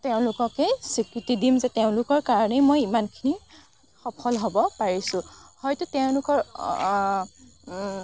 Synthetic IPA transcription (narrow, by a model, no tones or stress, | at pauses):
teʊ̃lʊkɔkɛsikɹitidimzɛteʊ̃lʊkɔɹkaɹɔnɛmojimankʰini | xɔpʰɔlɦobɔpaɹisʊ̃hɔjtʊteʊ̃lʊkɔɹ